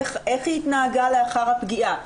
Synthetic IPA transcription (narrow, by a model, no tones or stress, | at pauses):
χeχjit̪naːɡaleaχaʁhapɡiʔa